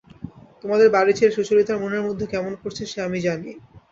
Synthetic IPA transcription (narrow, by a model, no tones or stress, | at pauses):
t̪omad̪eɾbaɾit͡ɕʰeʃuʃolit̪aɾmoneɾmod̪ʱːekɛmonkoɾt͡ɕʰeʃeamid͡ʑani